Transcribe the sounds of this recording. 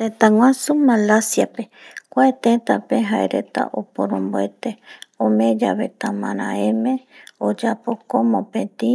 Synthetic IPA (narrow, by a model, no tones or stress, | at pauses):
t̪et̪aŋwãsumalasjapekʷaet̪ẽt̪apeɦaeɾet̪a̰ʔopoɾõmboet̪eõmẽd͡ʒaβet̪amãɾã̰ẽmẽod͡ʒapokomõpẽt̪ĩ